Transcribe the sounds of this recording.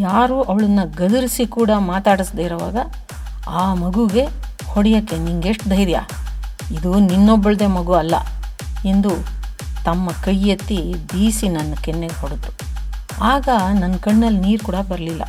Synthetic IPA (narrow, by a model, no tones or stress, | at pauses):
jaːɾuʔɐʋɐɭɐnːɐɡɐd̪uɾisikuːɽɐmaːt̪aːɽisd̪eːɾɐʋa̰ːɡɐ | aːmɐɡuɡe̞ | hoɽjɐkːeniŋɡeʂʈd̪ʱɐjɾja̰ːid̪uninːobːɐɭɐd̪e̞ːmɐɡuɐlːɐ̰e̞nd̪ut̪ɐmːɐkɐjːɐt̪ːibiːsinɐnːɐkenːeɡɦoɽɐt̪ːu̥ | aːɡɐnɐnkɐɳːɐlːniːɾkuːɽɐbɐɾɐlilːɐ̰